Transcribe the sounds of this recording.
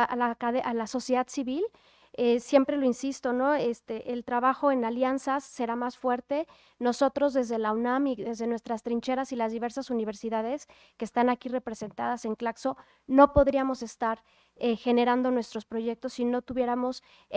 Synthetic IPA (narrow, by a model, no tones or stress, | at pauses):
lakaðeʔalaso̞sjeðaðsiβil | esje̞mpɾe̞lo̞insist̪o̞no̞est̪eʔelt̪ɾaβaxo̞e̞naljansasːe̞ɾamasfwe̞ɾt̪e̞ | no̞so̞t̪ɾo̞zðe̞zðe̞lawnamiðe̞zðe̞nwe̞st̪ɾast̪ɾint͡ʃe̞ɾasilazðiβe̞ɾsasuniβ̞e̞ɾsiðaðe̞s | keːst̪anakire̞pɾe̞se̞nt̪að̞ase̞ŋklakso̞ | no̞po̞ðɾiamo̞se̞st̪aɾ | exe̞ne̞ɾand̪o̞nwe̞st̪ɾo̞spɾo̞ʝe̞k̚t̪o̞sːino̞t̪uβje̞ɾamo̞s